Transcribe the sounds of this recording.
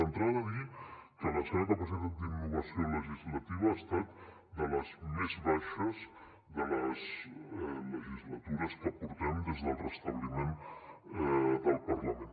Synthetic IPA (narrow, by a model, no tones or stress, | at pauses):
ənt̪ɾaðəðikələsəɣanəpəs̬aðad̪inːuβəsioləʒizlət̪iβəːst̪at̪ | d̪ələzmezβaʃəz | ðələzɛləʒizlət̪uɾəskəpuɾt̪ɛmd̪ezðəlˠrəst̪əβlimen | ðəlˠpərləmen